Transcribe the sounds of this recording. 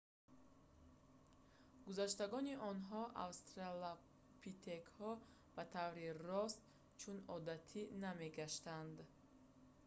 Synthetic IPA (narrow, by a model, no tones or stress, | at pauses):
ɡuzaʃt̪aɡɔniʔɔnɦɔʔa̰vst̪ɾala | pʰit̪ʰekhɔ | b̥at̪ʰavɾirɔst̪ | t͡ʃʰunɔd̪at̪ʰiname̞ɡaʃt̪and̪